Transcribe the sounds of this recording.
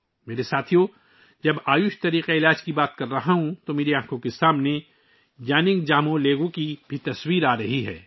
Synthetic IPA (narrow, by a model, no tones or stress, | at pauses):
meːɾesaːt̪ʰijõ | d͡ʒɐbaːjʊʃt̪ɐɾiːqeɪlaːd͡ʒkibaːt̪kɐɾːɐɦaɦũt̪omeːɾeãːkʰõkesaːmne | d͡ʒaːnɪ̃ŋɡd͡ʒaːmõleːɡõkibʱit̪ɐswiːɾaːɾɐɦiɦɛ̰ː